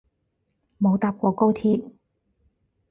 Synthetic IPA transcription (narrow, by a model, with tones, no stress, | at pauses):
mo˨˧wt̪aː˧p̚kʷɔː˨˧ko˥wt̪ʰiː˧t̚